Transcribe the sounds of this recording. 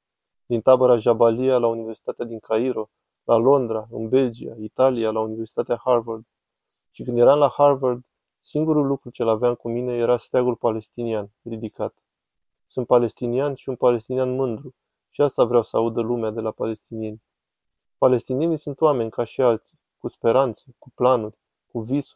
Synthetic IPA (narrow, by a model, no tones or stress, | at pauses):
d̪int̪abəɾaʒabalialaunive̞rsi̥t̪at̪ead̪iŋkʰaiɾo̞ | lʔalo̞nd̪ɾaɨnbe̞ld͡ʒia̰it̪alialaunive̞rsi̥t̪at̪eaharvard̪ | ʃikɨnd̪je̞ɾanlaharvard̪ | siŋɡuɾulːukɾut͡ʃelaveaŋkumine̞je̞ɾast̪aɡulpale̞st̪inianrid̪ikat̪ | sunt̪̚pale̞st̪inianʃiunpale̞st̪inijanmɨnd̪ɾu | ʃiast̪avɾeawsəaud̪əlumead̪e̞lapale̞st̪inije̞nʲ | pale̞st̪inije̞nisunt̪wame̞nʲkaʃialt̪si̥ | kuspe̞ɾant̪səkuplanurʲ | kuvisu